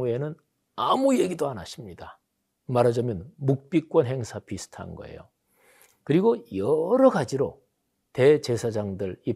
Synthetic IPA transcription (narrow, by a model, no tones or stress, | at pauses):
enɯn | amuje̞ɡidoanaɕʰimɲida | maɾad͡ʑʌmjʌnmuk̚p͈ik͈wʌnɦe̞ŋsʰapisʰu̥tʰa̰nɡʌ̰e̞̰jo | kɯɾiɡojʌɾʌɡad͡ʑiɾo | te̞t͡ɕe̞sʰad͡ʑaŋdɯɭi